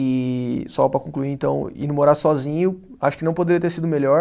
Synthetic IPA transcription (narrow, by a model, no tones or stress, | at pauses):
ɪsɔpɾɐkõkluiẽt̪ɐ̰̃w̃ḭnʊmoɾaɾsɔzĩɲʊ | aʃʊ̥kɪnɐ̃w̃pod̪eɾiɐt̪eɾsid̪ʊmeʎɔɾ